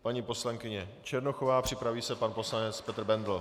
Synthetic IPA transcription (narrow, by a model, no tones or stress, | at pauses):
paɲiːpo̞slaŋkɪɲɛt͡ʃɛɾnoxovaːpr̥ɪpɾaviːsɛpanpo̞slanɛt͡spɛt̪rbɛnd̪l̩